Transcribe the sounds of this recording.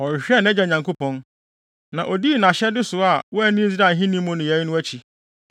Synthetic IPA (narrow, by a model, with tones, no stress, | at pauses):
ɔ˨ɾɕᶣɛ˦n˦ɛ˦d͡ʑɛ˨ɲã˨ŋkʰo˦pɔ̃˦n | nã˨ʔɔ˨di˦˨nã˨ɕɛ˦dɪ˦sʊ˨a˨wɔ˦æ˦nĩ˦d͡zi˦ɾa˨ɦĩ˦nĩ˦mʊ̃˦nʊ̃˨jɛ˨˦jnʊ̃˦æ˦t͡ɕʰi˨